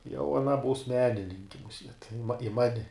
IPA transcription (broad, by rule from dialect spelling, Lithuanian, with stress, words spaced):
jɛʊ ɐˈnɐ buːs ˈmʲæːnʲɪnʲɪŋʲkʲɪ mʊˈsʲiɛt ɪ mɐ ɪ ˈmɑːnʲɪ